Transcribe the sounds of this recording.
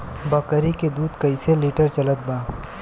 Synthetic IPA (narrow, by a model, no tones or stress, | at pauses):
bɐkəɾiked̪uːd̪kɐiseliːʈəɾt͡ʃɐlət̪̚baː